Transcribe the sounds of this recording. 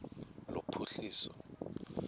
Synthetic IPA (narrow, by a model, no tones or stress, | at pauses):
lopʰuɬiːsɔ̥